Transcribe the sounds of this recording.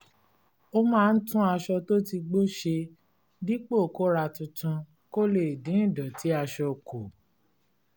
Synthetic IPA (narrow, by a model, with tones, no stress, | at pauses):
o˦mãː˦˧n̩˦tũ˦a˧ʃɔ˧to˦ti˧ɡ͡bo˦ʃe˧ | di˦k͡po˦˨ko˦ɾa˧tũ˧tũ˧ | ko˦le˦˨i˨dĩ˨˦ĩ˦˨dɔ˨ti˨˦a˧ʃɔ˧ko˨